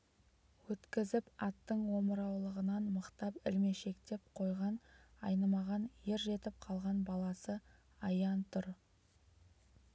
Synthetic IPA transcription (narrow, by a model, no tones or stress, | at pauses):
wɵt̪kʲɪzɪpɑt̪ːəɴwo̞məɾɑwlˠəʁənɑnməqt̪ɑpɪlme̞ʃe̞kt̪e̞p̚qʰo̞jʁɑnɑ̰jnɑmɑʁɑnjeɾʒe̞t̪ɪp̚qʰɑlˠʁɑnbɑlˠɑsə | ɑjɑnt̪ʰʊɾ